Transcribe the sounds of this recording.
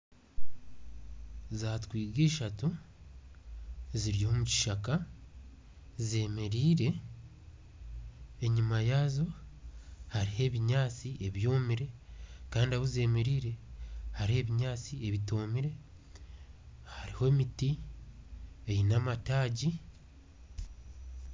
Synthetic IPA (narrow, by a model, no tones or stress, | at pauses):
zaːtkwiːɡeːʃatu | ziɾihomuci̥ʃaka | ze̞ːme̞ɾiːɾe̞ | ɲumajaːzo̞ | haɾihe̞βiɲaːt͡sieβjo̞ːmiɾe̞kaːndiaβuze̞ːme̞ɾiːɾe̞haɾie̞ːβiɲaːt͡sie̞βito̞ːmiɾe̞ | haɾiho̞miti | ejinamataːɟi